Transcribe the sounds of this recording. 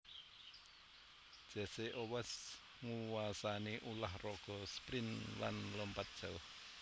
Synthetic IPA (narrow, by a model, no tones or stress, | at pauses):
d̥ʒ̥ɛ̤seʔowɛs | ŋuwasaneʔulahrɔɡ̥ɔ̤spɾinla̰nlɔmpat̪̚d̥ʒ̥ə